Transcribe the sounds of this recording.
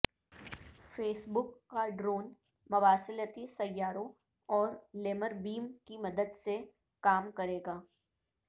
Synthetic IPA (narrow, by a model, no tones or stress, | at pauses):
feːsbʊkːaɖɾoːn | mɐʋaːsɪlət̪isɐjːaːɾõ | ɔːɾleːməɾbiːmkimɐd̪əd̪se | kaːmkɐɾeːɡaː